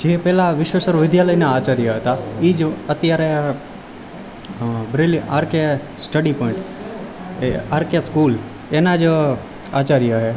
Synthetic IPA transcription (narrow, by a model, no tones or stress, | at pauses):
d͡ʒepɛlaʋɪʃʋəsəɾʋɪd̪jaləinaːt͡ʃaɾjaɦət̪aid͡ʒət̪jaɾe | bɾeliʔaːɾke | sʈəɖipɔɪ̃ɳʈ | ḛaːɾkjaskuːl | enad͡ʒ | at͡ʃaɾjaɦe